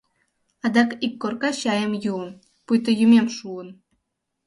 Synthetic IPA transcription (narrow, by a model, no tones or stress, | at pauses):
ɑd̪ɑkikːorkɑɕɑjə̆mjuən | pujt̪̬ə̆jymʲemʃuən